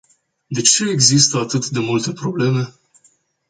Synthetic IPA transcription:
d̪e̞t͡ʃe̞eːɡzist̪əat̪ɨt̪d̪e̞mult̪e̞pɾo̞ble̞me̞

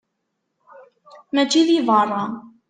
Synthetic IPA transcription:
mæt͡ʃːiðivɑrˤːɑ

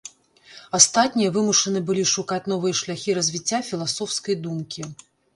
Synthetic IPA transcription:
ast̪atʲnʲijɐvɨmuʂɛnɨbɨlʲiʂukat͡sʲn̪ɔvɨjɐʂlʲaxʲiɾɐzʲvʲit͡sʲːafʲilˠasɔwskɐjd̪umkʲi

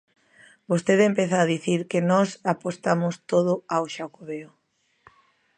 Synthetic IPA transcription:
bost̪eðempeθaːðiθiɾkenɔsapost̪amʊst̪oðʊawʃakoβeo

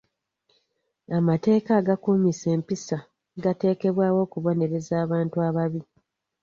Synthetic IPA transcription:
amate̞ːkaːɡakuːɲise̞ːmpisa | ɡate̞ːke̞βwaːwo̞ːkuβo̞ne̞ɾe̞zaːβaːntuaβaβi

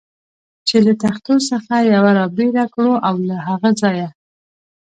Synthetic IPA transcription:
t͡ʃelat̪axt̪osəxajawaɾɑbeɾakɽoʔawlaɦaɣad͡zɑja

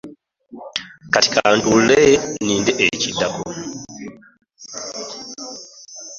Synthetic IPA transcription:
kati̥ka̰ntulɛnindɛʔɛt͡ʃidakɔ

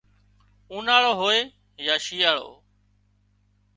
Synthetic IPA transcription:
ũːnaːɭoːɦoːeː | jaːʃiːaːɭo̰ː

